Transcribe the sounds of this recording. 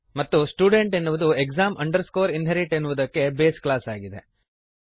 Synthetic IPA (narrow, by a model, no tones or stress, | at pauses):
mɐt̪ːusʈuːɖe̞ɳʈenːuʋud̪uekzaːmɐɳɖɐɾskoːɾinɦeɾiʈenːuʋud̪ɐkːe̞beːsklaːsaːɡid̪e